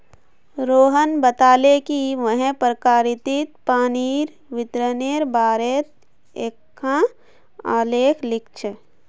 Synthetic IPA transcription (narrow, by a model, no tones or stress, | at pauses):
ɾoːɦənbət̪aːlekiʋəɦẽpɾəkaːɾɪt̪it̪̚paːniːɾ | ʋɪt̪ɾəneːɾbaːɾet̪ | eːkʰːã | a̰ːleːkʰlɪk̚t͡ʃʰə